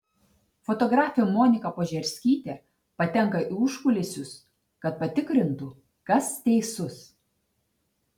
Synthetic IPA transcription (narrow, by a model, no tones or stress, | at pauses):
fɔt̪ɔɡɾɑːfʲɪʊmoːnʲɪkɐpoːʒʲɛɾʲsʲkʲiːt̪ʲe | pɐt̪ʲɛŋˑkɐʔɪʊʃkʊlʲesʲʊs | kɐt̪̚pɐt̪ʲɪkɾʲɪnt̪ʊ | kɐst̪ʲɛɪsʊs